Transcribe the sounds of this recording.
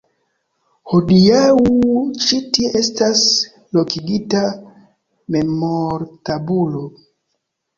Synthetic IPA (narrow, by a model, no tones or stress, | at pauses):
hodiaut͡ʃitiestas | lo̞kiɡita | me̞moɾtabulo̞